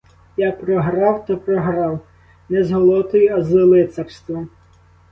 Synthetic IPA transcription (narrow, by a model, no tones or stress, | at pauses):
japɾɔɦɾɑwt̪ɔpɾɔɦɾɑw | nɛzɦɔlˠɔt̪ʊjʊɐzɔlˠɪt̪sɛrst̪ʋɔ